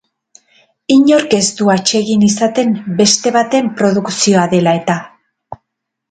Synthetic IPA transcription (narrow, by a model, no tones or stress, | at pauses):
iɲo̞ɾke̞st̪uat͡ʃe̞ɣinisat̪e̞mbe̞st̪e̞β̞at̪e̞mpɾo̞ðuksio̞aðe̞lae̞t̪a